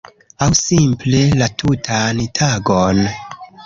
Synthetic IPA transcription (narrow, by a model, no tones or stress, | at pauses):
awsimple̞latʰutʰantʰaɡon